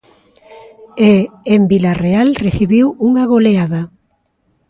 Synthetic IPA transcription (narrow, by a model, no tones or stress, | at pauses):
eːmbilarealreθiβiwuŋaɣoleaða